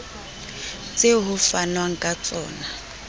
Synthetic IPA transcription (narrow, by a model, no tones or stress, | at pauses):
t͡sʼeɦʊfanwaŋ̩kʼat͡sʼɔ̰ːna